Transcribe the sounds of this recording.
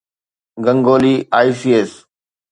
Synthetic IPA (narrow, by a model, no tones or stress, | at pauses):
ɡə̃ŋɡoːliːaːisiːeːs